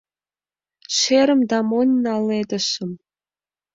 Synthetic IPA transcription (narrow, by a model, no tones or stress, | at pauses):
ʃeɾə̆md̪ɑmonʲnɑlˠːed̪ɘ̆ʃɘ̆m